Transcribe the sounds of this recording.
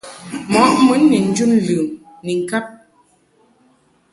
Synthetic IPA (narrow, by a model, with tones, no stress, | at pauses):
mɔ˨˦k̚mu˨˦nːi˨n̩˦d͡ʒu˦nlʉː˨m | ni˨ŋ̩˨ka˦p̚